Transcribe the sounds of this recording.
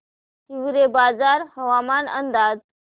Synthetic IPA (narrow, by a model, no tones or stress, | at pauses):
tiʋɾebad͡zaɾɦəʋamanə̰nd̪ad͡z